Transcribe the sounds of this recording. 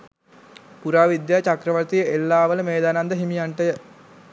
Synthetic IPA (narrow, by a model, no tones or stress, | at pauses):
puɾaːʋid̪jaːt͡ʃakɾəʋət̪ijəelːaːʋələmeːd̪aːnand̪əɦimijaɳʈəjə